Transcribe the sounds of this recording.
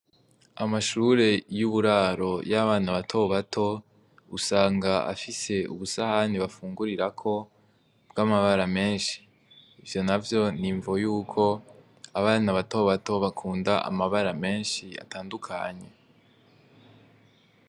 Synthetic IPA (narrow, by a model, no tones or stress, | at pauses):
amaʃuɾe̞juβuɾaːɾo̞jaβaːnaβatʰo̞βatʰo̞ | usaːŋɡaa̰fise̞ṵβusahaniβafuːŋɡuɾiɾakʰo̞ | bɡamaβaɾame̞ːnʃi̥ː | vjo̞navjo̞niɱvo̞juːkʰo̞ | aβaːnaβato̞βato̞βakʰuːndaʔa̰maβaɾame̞ːnʃia̰tʰaːndukʰa̰ɲe̞